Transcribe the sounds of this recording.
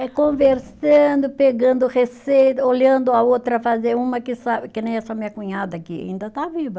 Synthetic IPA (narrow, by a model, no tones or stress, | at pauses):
ɛkõveɾsɐ̃nd̪ʊpeɡɐ̃nd̪ʊʁesejt̪ɐoʎɐ̃nd̪ʊaot̪ɾɐfazeũmɐkɪsabɪkɪnẽj̃ɛsamĩɐkũɲad̪ɐkia̰ḭ̃nd̪ɐt̪avivɐ